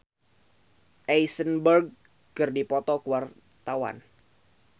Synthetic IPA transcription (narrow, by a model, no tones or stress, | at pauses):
ʔɛjsənbərɡ̚ | kɨrdipɔt̪ɔkuwar | t̪awa̰n